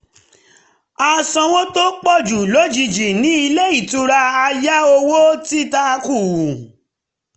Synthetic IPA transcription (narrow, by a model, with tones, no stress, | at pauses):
a˧sã˧wo˦to˦k͡pɔ˦˨d͡ʒu˨lo˨˦d͡ʒi˧d͡ʒi˨nĩ˨˦i˧le˦i˦˨tu˧ɾa˧a˧ja˦o˧wo˦ti˦ta˦˧ku˦˨